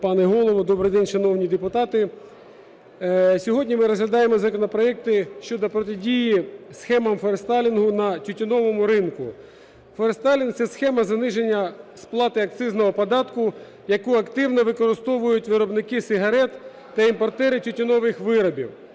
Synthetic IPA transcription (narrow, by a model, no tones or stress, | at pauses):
pɑnɛɦɔlˠɔʋɔd̪ɔbɾɪjd̪ɛnʲʃɐnɔwnʲid̪epʊt̪ɑt̪ɪ | sʲɔɦɔdʲnʲimɪɾɔzɦlʲɐd̪ɑjemɔzɐkɔnɔpɾɔɛk̚t̪ɪʃt͡ʃɔd̪ɔpɾɔt̪ɪdʲijisxɛmɐmfɔɾst̪ɑlʲinɦʊnɐtʲʊtʲʊnɔʋɔmʊɾɪnkʊ | fɔɾst̪ɑlʲinsɛsxɛmɐzɐnɪʒe̞nʲːɐsplˠɑt̪ɪɐk̚t̪sɪznɔɦɔpɔd̪ɑt̪kʊ | jɐkuɐkt̪ɪwnɔʋɪkɔɾɪst̪ɔʋʊjʊtʲʋɪɾɔbnɪkɪsɪɦɐɾɛt̪ː | ɐimpɔrt̪ɛɾɪtʲʊtʲɪnɔʋɪxʋɪɾɔbʲḭw